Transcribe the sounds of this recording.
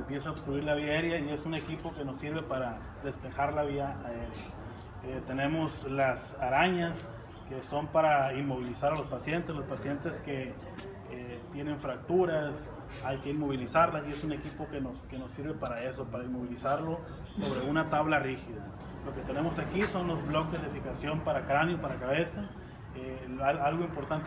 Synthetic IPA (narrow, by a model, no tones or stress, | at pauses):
empje̞saoβst̪ɾuiɾlaβiae̞ɾjaie̞sune̞kipo̞ke̞no̞sːiɾβe̞paɾa | ðe̞spe̞xaɾlaβiaae̞ɾja | et̪e̞ne̞mo̞slas | aɾaɲas | ke̞so̞mpaɾainmo̞β̞ilisaɾalo̞spasje̞nt̪e̞slo̞spasje̞nt̪e̞ske̞ | e | t̪je̞ne̞ɱfɾak̚t̪uɾas | ajke̞inmo̞β̞ilisaɾlasie̞sune̞kipo̞ke̞no̞ske̞no̞siɾβe̞paɾae̞so̞paɾainmo̞β̞ilisaɾlo̞ | so̞βɾe̞unat̪aβlarixiða | lo̞ke̞t̪e̞ne̞mo̞sakiso̞nlo̞zβlo̞ke̞zðefikasjo̞mpaɾakɾanjopaɾakaβe̞sa | ealalɣoimpo̞ɾt̪ant̪